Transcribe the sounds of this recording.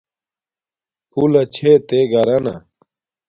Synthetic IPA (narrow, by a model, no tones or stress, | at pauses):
pʰulɐt͡ɕʰet̪eːɡɐɾɐnɐ̰